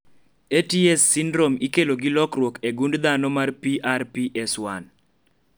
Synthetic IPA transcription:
etiesːindɾomikeloɡilɔkɾwokeɡundd̪anɔmarpiʔarpiʔɛswan

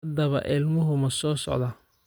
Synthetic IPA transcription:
d̪ɐβɐ̰ʔɪlmʊɦʊmɐsɔːsɔ̰ʕd̪ɐ

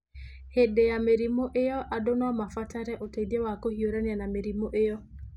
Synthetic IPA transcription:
hedejameɾimoʔejɔʔadonamafataɾɛʔotediewakohioɾanjanameɾimoʔejɔ

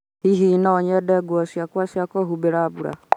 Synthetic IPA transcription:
hiɦinaːɲɛdɛɡwɔsjakwasjakɔɦubɛɾabuɾa̰

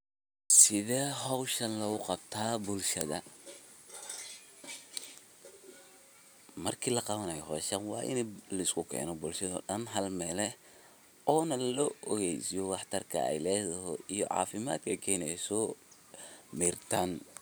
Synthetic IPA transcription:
sɪðɛːɦɔwʃɐnlɐɣʊqɑbt̪ʰaːbʊlʃɐðɐ | mɐrkʰiːlɐqɑβɐnɐjɔhɔːʃɐnwɑːʔɪ̰nɛlɐɪskʰʊkʰɛ̰ːnɔbʊlʃɐðɔ̰ɗɐnɦɐlmɛːlɛ | ʔɔːnɐlɔːʔɔɣɛjsijɔwɑħt̪ʰɐrkʰɐ̰ɛ̰jlɛːðɐɦɔijɔʕɑ̰ːfɪma̰ːd̪kʰɐkʰɛːnɛɛjsɔː | miːrt̪ʰaːn

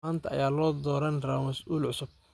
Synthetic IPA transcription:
aːnt̪ʰɐɐ̰jaːlɔːd̪ɔːɾɐnrɐmɐsʔuːlʕʊsʊb̥̚

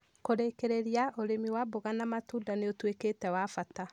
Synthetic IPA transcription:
koɾekeɾeɾiaʔoɾemiwaboɣanamatuːdaneotweketɛwafata

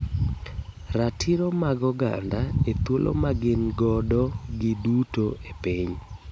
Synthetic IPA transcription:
ratʰiɾomaɡɔɡa̰ndaet̪wolʔo̰maɡɪnɡɔdɔɡɪdutoepiɲ

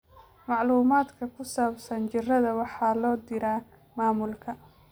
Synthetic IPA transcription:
mɑʕluːmaːd̪kʰɐkʰʊsaːbsɐnt͡ʃɪrɐðɐwɑħɑːlɔːd̪ɪɾaː | maːmʊlkʰɐ

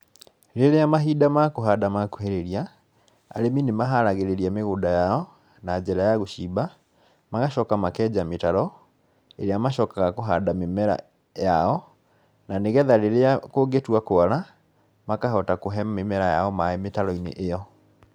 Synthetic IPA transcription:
ɾeɾeamaɦidamakoɦadamako̥heɾeɾia | a̰ɾeminemaɦaɾaɣeɾeɾiameɣodajaɔ | nad͡ʑɛɾajaɣoɕiːba | maɣaɕɔkamakɛd͡ʑametaɾɔ | eɾeamaɕɔkaɣakoɦadamemɛɾa̰ | jaɔ | naneɣɛðaɾeɾeakoɡetwakoaɾa | makaɦɔtakoɦɛmemɛɾajaɔmaemetaɾɔinḛʔejɔ

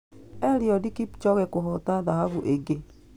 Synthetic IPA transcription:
ɛɾiɔdikipt͡ʃɔɣɛkoɦɔtaðahaβuʔeɡe

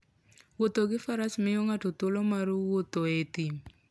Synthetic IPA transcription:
wot̪oɡɪfaɾasmɪjoŋatot̪olomaɾwot̪oet̪im

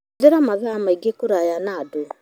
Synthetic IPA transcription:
ðeɾamaðamaiɡekuɾajanaːdo

